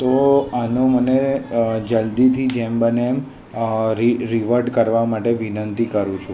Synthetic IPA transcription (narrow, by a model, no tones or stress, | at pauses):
t̪oanoməned͡ʒəld̪it̪ʰid͡ʒembənem | ɾiɾiʋəɾɖkəɾʋamaʈeʋinənt̪ikəɾũt͡ʃʰũ